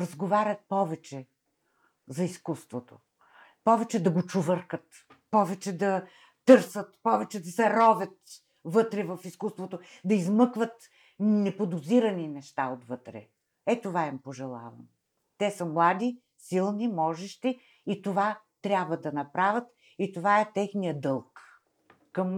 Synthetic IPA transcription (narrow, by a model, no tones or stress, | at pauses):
ɾɐzɡovaɾʲɐt̪̚pɔvɛt͡ʃɛ | zɐiskust̪vot̪o̰ | pɔvɛt͡ʃɛd̪ɐɡot͡ʃʊvəɾkət̪ | pɔvɛt͡ʃɛd̪ɐ | t̪ɤɾsət̪pɔvɛt͡ʃɛd̪ɐsɛɾɔvʲɐt̪ | vɤt̪ɾɛvɐfiskust̪vot̪od̪ɐizmɤkvət̪ | nɛpod̪ʊziɾɐninɛʃt̪aot̪vɤt̪ɾɛ̰ | ɛt̪ovaimpoʒɛlˠa̰vɐ̰m | t̪ɛsəmlˠad̪i | silˠnimɔʒɛʃt̪i | it̪ova | t̪ɾʲabvɐd̪ɐnɐpɾavʲɐt̪ | it̪ovaɛt̪ɛxnijəd̪ɤlˠk | kɐm